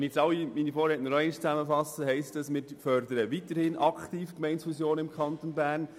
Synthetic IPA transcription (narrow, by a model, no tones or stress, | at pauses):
nɪçt͡ssɑlːiminifoːɾɛːtənɔɾɛɪnɪʃt͡sæməfɑsəɦɛɪstəsmɪːɾfœɾdəɾəʋitəɾhɪnʔɑkχtiːfkmɛɪnsfusjoːnɪmkʰχɑnt̪onbæːɾn